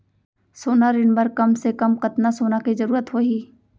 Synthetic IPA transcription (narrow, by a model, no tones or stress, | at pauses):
soːnaɾɪnbɐɾkɐmsekɐmkɐt̪nasoːnakizɐɾuːɾət̪ɦoiː